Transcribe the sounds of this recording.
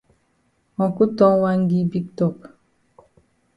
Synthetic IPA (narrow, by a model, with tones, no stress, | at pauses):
ɔ̃˨ku˦tɔ˦ŋwa˦ŋ˦ɡi˦bi˦k̚tɔ˨k